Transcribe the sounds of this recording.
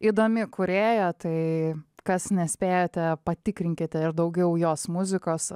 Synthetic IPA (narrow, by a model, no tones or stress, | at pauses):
id̪oːmʲɪkʊɾʲeːjɛt̪ɐɪkɐsnʲɛsʲpʲeːjoːt̪ʲɛpɐt̪ʲɪkɾʲɪŋʲkʲɪt̪ʲɛɪɾd̪ɐʊɡʲɛʊjoːsmʊzʲɪkoːs